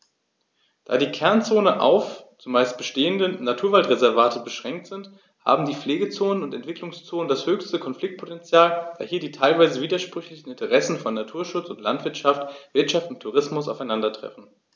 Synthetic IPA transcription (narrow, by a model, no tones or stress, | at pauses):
d̥aːdiːkʰɛɐnt͡soːnəʔa̰ʊft͡sumaɪst̚b̥əʃteːəndənatʰuːɐvaltʁezɛɐvaːtəbəʃʁ̥ɛŋk̚tz̥ɪnt | ha̰ːbm̩diːp͡fleːɡət͡soːnənʊntɛntv̥ɪklʊŋst͡soːnəndashøːçstəkʰɔnfl̥ɪk̚t̚pʰotɛnt͡sjaːld̥a̰ːhiːɐdiːtʰaɪlvaɪzəviːdɐʃpʁ̥ʏçlɪçn̩ɪntʰəʁɛsn̩fɔnːatʰuːɐʃʊt͡sʊntlantv̥ɪɐtʃaftv̥ɪɐtʃaftʊntʰːuʁɪsmʊsa̰ʊfaɪnandɐtʁ̥ɛ̰fn̩